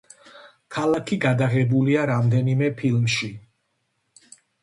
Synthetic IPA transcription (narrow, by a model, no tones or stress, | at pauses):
kʰalakʰiɡad̪aʁɛbuliaɾamd̪ɛnimɛpʰilmʃi